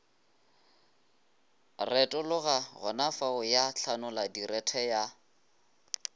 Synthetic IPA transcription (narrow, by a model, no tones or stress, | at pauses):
rɛtʼɔlʊɣaɣʊ̰nafaʊjaɬʰanʊladirɛtʰɛja